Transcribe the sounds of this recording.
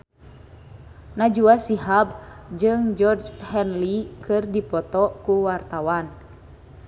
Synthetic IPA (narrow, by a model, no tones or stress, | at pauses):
nad͡ʒuasiɦab̚d͡ʒɨŋd͡ʒɔrd͡ʒhɛnlikɨrdipɔt̪ɔkuwart̪awan